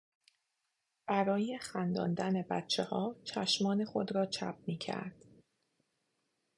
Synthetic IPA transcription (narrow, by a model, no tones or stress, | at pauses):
b̥æɾɒːje̞xænd̪ɒ̰ːnd̪æne̞bæ̰t̪t͡ʃʰehɒːt͡ʃʰæʃmɒːne̞xo̞d̪ɾɒːt͡ʃʰæ̰p̚miːcʰæ̰ɾd̪̥